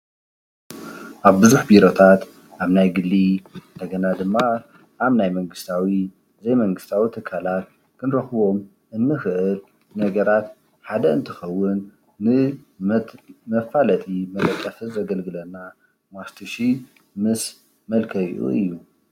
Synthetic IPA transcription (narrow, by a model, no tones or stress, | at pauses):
ʔaβbɨzuħbiɾo̞t̪ʰat̪ | ʔaβnajɡɨlːind̪ɐɡɐnad̪ɨmːa | ʔaβnajmɐŋɡɨst̪ʰawi | zɐjmɐŋɡɨst̪ʰawit̪ʰɨkʰalat̪ | kʰɨnɾɐxβo̞m | ʔɨnːɨxɨʔɨl | nɐɡɐɾat̪ | ħad̪ɐɨ̰nt̪ʰɨxɐwːɨnː | ɨ | mɐfalɐt̪ʼimɐɾɐt̪ʼːɐfɨzɐɡɐlɡɨlɐnːa | mast̪ʰɨʃi | mɨs | mɐlkʰɐj̰ʔṵɨ̰jːu